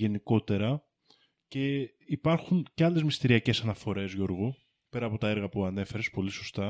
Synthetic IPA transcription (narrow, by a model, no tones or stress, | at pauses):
ʝe̞niko̞t̪e̞ɾɐ | ce̞ | ipɐɾxunceɐle̞zmist̪iɾiɐce̞sɐnɐfo̞ɾe̞zʝo̞ɾɣu | pe̞ɾɐːpo̞t̪ɐe̞ɾɣɐpuɐne̞fe̞ɾespo̞liso̞st̪ɐ